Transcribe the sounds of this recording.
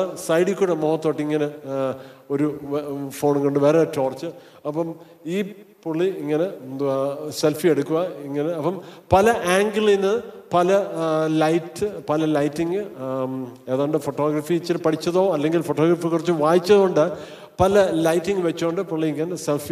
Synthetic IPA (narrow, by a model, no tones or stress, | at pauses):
sɐjɽikʲːuɽemoːhɐt̪ːo̞ːʈːɨiŋːɐne | o̞ɾufo̞ːɳkoɳɖɨʋeːɾeɐtːoːrt͡ɕːɨ | ɐpːɐm | iːpuɭːiiŋːɐne̞ | selfieɽukːuɣɐiŋːɐneɐpːɐmpɐlɐʔaːŋɡɐɭinːɨpɐlɐlɐjtːɨpɐlɐlɐjtːiŋɡɨ | eːðaːɳɖɨfoʈːoːɡrɐfiit͡ɕːɐɾpɐʈʰit͡ɕːɐðo̞ːɐlːe̞ŋɡilfoʈːoːɡrɐfɨkurɐt͡ɕːɨʋaːjit͡ɕːɐðoɳɖɨ | pɐlɐlɐjtːiŋɡɨʋɐt͡ɕːuoɳɖɨpuɭːiiŋːɐneselfi